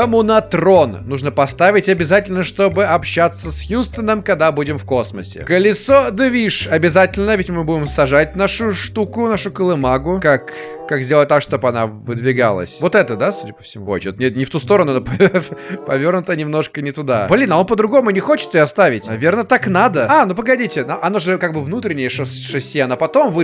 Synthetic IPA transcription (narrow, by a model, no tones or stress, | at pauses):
əmʊnɐt̪ɾo̞nnuʐnəpɐst̪avʲɪtʲɐbʲɪzatʲɪlʲnəʂt̪o̞bɨɐpɕːat̪sːəsxʲust̪ənəmkaɡ̚d̪abudʲɪmfko̞sməsʲɪ̰kəlʲɪsod̪ɨvʲiʂɐbʲɪzatʲɪlʲnəvʲɪtʲmɨbuɪmsɐʐat̚ʲnaʂʊʂt̪ukʊnaʂʊkəlˠɨmaɡʊkakː | akzʲdʲelˠət̪̚ʲakʂt̪opɐnavɨd̪vʲɪɡa̰lˠə̰sʲvo̞t̪ɛt̪əd̪asudʲɪpə̥fsʲɪmuxot͡ʃɪt̪nʲet̪nʲɪft̪ust̪o̞ɾənʊnopɐpɐvʲornʊt̪ənʲɪmno̞ʂkənʲɪt̪ʊd̪ablʲinɐo̞npəd̪ɾʊɡo̞mʊnʲɪxot͡ɕɪ̥t̪səjɔɐst̪avʲɪtʲnɐvʲe̞rnət̪aknad̪əanop̬əɡɐdʲitʲɪnʔɐnoʐɨkaɡ̚bɨvnut̪ɾʲɪnʲːɪjəʂɨsʂɨsʲjeɐnapɐt̪o̞mvɨ